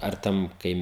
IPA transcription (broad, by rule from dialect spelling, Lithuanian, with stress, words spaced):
ɐr ˈtʲɛn ˈkɐɪ